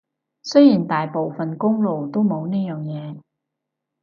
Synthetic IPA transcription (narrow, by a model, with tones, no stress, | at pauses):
sɵ˥jiː˨˩nt̪aː˨jpo˨wfɐ˨nkʊ˥ŋlo˨wt̪o˥wmo˨˧wniː˥jœː˨˩ŋjɛː˨˧